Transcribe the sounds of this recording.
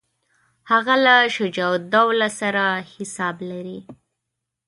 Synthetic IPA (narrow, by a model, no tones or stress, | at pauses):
haɣalaʃʊd͡ʒawd̪awlasaɾahɪsɑblaɾi